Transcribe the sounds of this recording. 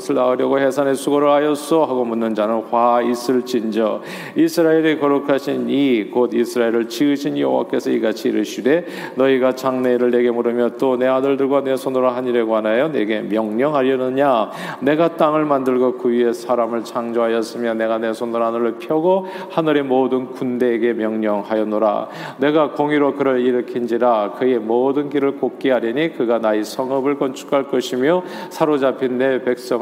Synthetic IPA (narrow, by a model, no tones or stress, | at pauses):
sʰɯɭaɯɾjʌɡohe̞sʰanesʰuɡʌɾɯɭajʌs͈ʌɦaɡomunːɯnd͡ʑanɯnkwais͈ɯɭt͡ɕind͡ʑʌ | isʰɯɾaeɾikʌɾokʰaɕʰinikodisʰɯɾaeɾɯɭt͡ɕiɡɯɕʰinjʌɦowa̰k͈e̞sʰʌiɡat͡ɕʰiːɾɯɭɕʰide̞ | nʌiɡat͡ɕaŋne̞ɾɯɭːe̞ɡe̞muɾɯmjʌt͈one̞adɯɭdɯɭɡwane̞sʰonoɾaɦaɲiɾe̞ɡoanajone̞ɡe̞mjʌŋɲʌŋɦaɾjʌnɯɲa | ne̞ɡat͈aŋɯɭmandɯɭɡokɯie̞sʰaɾamɯɭt͡ɕʰaŋd͡ʑoɦajʌs͈ɯmjʌne̞ɡane̞sʰonɯɾɦanɯɾɯɭpʰjʌɡo | hanɯɾe̞modɯnkunde̞ːɡe̞mjʌŋɲʌŋhajʌnːoɾa̰ | ne̞ɡakoŋiɾokɯɾʌɭiɾɯkʰind͡ʑiɾakɯe̞modɯnɡiɾɯɭkok̚k͈iɦaɾjiɲikɯɡanaisʰʌŋʌbɯɭk͈ʌnt͡ɕʰu̥kʰaɭk͈ʌɕʰimjo | sʰaɾod͡ʑapʰinːe̞pe̞k̚s͈ʌŋ